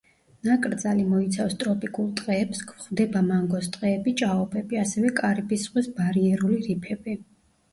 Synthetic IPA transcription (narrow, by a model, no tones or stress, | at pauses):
nakʼɾd̪zalimɔit̪sʰafst̪ʼɾɔpʼikʼulˠt̪ʼqʼɛːpskʰχvd̪ɛbamaŋɡɔst̪ʼqʼɛːbit͡ʃʼaɔpʼɛbiasɛvɛkʼaɾibisχwisbaɾiɛɾuliɾipʰɛbi